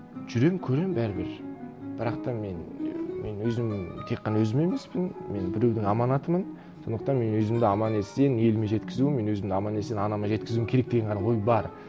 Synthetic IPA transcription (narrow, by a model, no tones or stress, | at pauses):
ʒ̥ʏɾe̞mkʲʰɵɾe̞mbæɾɪbɪɾb̥ɪɾɑqt̪ɑme̞nme̞nwɵzɪmt̪ʰe̞qːɑnɑwɵzɪme̞me̞spɪnme̞nbɪɾewd̪ɪŋɑmɑnɑt̪əmən | so̞nd̪əq̚t̪ɑnme̞nwɵzɪmd̪ɪɑmɑnese̞ne̞lɪme̞ʒe̞t̪kʲɪzuɪme̞nwɵzɪmd̪ɪɑmɑnese̞nɑnɑmɑʒe̞t̪kɪzuɪmkʰʲeɾe̞k̚d̪e̞ɡʲeɴqʰnɑwo̞jbɑɾ